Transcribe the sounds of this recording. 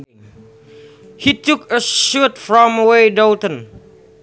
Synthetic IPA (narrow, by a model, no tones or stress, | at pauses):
hitʰukəʃutfɹɔ̃məweɪdoltə̃n